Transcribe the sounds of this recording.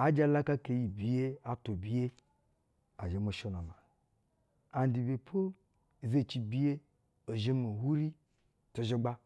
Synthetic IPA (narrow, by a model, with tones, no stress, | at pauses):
a˨d͡ʒa˦la˦ka˦ke˨ji˨bi˨je˦a˨to˨bi˦je˦ | a̰˨ʒe˨mo˨ʃo˦no˨ma˨ | a˨n˦di˨be˨pʰo˦˨ | ze˦˨t͡ʃi˨bi˦je˦ | o˨ʒe˦mo˨hu˦ɾi˦ | to˨ʒe˦ɡ͡ba˦